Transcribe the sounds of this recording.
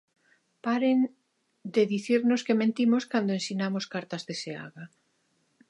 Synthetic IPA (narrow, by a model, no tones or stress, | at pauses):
paɾen | d̪eðiθiɾnoskemẽnt̪imoskand̪oensinamoskaɾt̪ɐzðesea̰ɣa